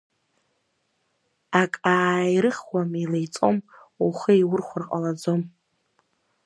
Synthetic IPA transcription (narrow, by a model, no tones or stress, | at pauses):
akʼaːjɾɨχwamilejt͡sʼo̞muχəiwʊrχʷʊrqʼalad͡zo̞m